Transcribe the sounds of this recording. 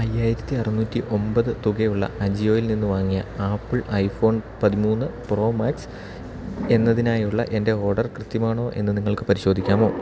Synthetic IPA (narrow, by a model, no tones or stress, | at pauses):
ɐjːaːjiɾɐt̪ːiɐrɨnuːtːiʔo̞mbɐðɨt̪uɡejuɭːɐ̰ɐd͡ʑijo̞ːjilninːɨʋaːŋːijɐaːpːɨɭɐjfo̞ːnpɐðimuːnːɨpro̞ːmaːks | e̞nːɐðinaːjuɭːɐ̰ʔe̞nde̞o̞ːrɖɐrkrɨt̪ːjɐmaːɳo̞ːʔe̞̰nːɨniŋːɐɭkɨpɐɾiɕo̞ːd̪ʱikʲːaːmo̞ː